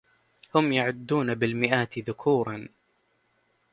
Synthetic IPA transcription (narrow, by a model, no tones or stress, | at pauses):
hʊmjaʕʊd̪ːuːnabɪlmɪʔaːt̪ɪðʊkʰuːɾˤɑn